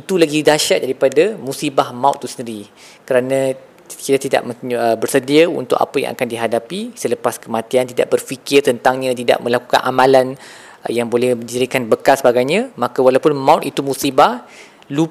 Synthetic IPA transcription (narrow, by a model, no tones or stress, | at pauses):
it̪ulaɡidaʃaʔ̚daɾipadamusibahmãṵt̪ːusəndəɾi | kəɾanã | kit̪at̪ida̰ʔməəbərsədiaṵnt̪ʊ̰ka̰pəjã̰ŋʔa̰kandiɦadapisələpaskəmãt̪iant̪ida̰ʔ̚bərfikɪrt̪ənt̪aŋɲãt̪ida̰ʔ̚mə̃laku̥ka̰nʔa̰mãlan | jaŋbolɛhəd͡ʒəɾikanbəkasəbaɡajɲãmakawalawpʊnmãʊt̪it̪umusibah | lu